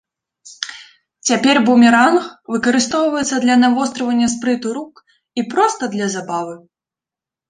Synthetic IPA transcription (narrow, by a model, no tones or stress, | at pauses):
t͡sʲapʲɛrbumʲɛɾanxvɨkɐɾɨst̪ɔwvɐjɛt̪sɐd̪lʲɐnavɔst̪ɾɐvɐnʲːɐspɾɨt̪uɾuk | ipɾɔst̪ɐd̪lʲɐzabavɨ